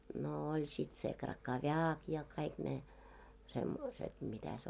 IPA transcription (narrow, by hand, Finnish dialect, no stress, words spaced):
no olʲ sit se krɑkɑʋjɑːk jɑ kɑik ne semːoiset mitæ se